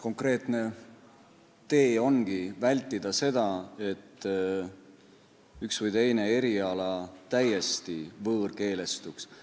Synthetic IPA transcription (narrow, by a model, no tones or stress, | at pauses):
ko̞ŋkre̞ːt̪ne̞ | t̪e̞ːo̞nɡ̥ivælʲt̪ːˑid̪̥ɑse̞d̪̥ɑe̞t̪ː | yksvɨjt̪e̞jne̞e̞ɾiɑlɑt̪æje̞st̪ivɤːrke̞ːle̞st̪uks